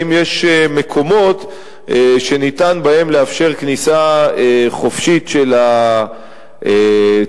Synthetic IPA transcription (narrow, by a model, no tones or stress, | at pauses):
imjeʃeme̞kʰo̞mo̞t̪ | ʃe̞nitanbae̞mleafʃe̞ʁknisaeχo̞fʃit̪ʃela | e